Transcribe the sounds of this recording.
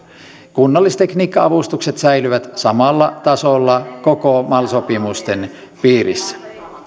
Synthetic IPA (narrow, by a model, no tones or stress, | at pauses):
kunːɑlːist̪ekniːkːɑɑʋust̪ukset̪sæjlyʋæt̪sɑmɑlːɑt̪ɑsolːɑkokomɑlsopimust̪en | piːɾḭsːæ̥